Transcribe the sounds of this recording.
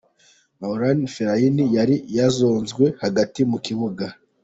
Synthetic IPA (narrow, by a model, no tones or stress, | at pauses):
maoɾanfeɾainijaɾijazoːnzɡwe̞haɡatimukiβuɡa